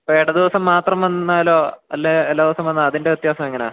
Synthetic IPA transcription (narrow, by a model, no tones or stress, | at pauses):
peeɽɐd̪iʋɐsɐmːaːt̪rɐmʋɐnːaːloːɐlːeelːaːd̪iʋɐsɐmʋɐnːɐðinde̞ut̪jaːsɐmeŋːɐnea̰ː